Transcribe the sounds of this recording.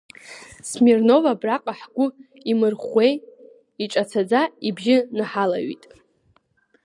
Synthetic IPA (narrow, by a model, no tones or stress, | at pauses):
smirno̞vabraqʼaħɡʷʊ | imɨrχʷej | iʈ͡ʂʼat͡sʰad͡zaibʒɪnaħala̰ɥḭtʼ